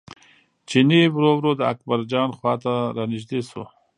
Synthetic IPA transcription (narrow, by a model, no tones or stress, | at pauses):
t͡ʃinibɾowɾod̪əa̰k̚baɾd͡ʒɑːnxwɑːt̪aɾɑniʃd̪eso̰